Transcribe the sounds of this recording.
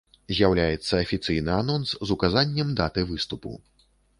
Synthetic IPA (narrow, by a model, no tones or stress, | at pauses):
zʲjawlʲajɛt̪sːɐɐfʲit̪sɨjnɨanɔnszukazanʲːɛmd̪at̪ɨvɨst̪upṵ